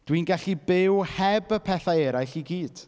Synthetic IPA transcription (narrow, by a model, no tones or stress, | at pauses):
d̥winɡaɬibɪwhɛbəpʰɛθaɛɾajɬiɡiːd̥